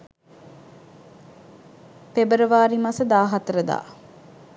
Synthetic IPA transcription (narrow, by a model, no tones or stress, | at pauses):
pebəɾəʋaːɾimasəd̪aːɦat̪əɾəd̪a̰ː